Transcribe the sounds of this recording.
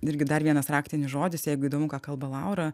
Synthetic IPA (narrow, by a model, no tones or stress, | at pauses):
ɪɾʲɡʲɪd̪ɐɾʋʲiɛnɐsɾɑːkt̪ʲɪnʲɪsʒoːd̪ʲɪsjɛɪɡʊiːd̪oːmʊkɑːkɐlˠbɐlˠɐʊɾɐ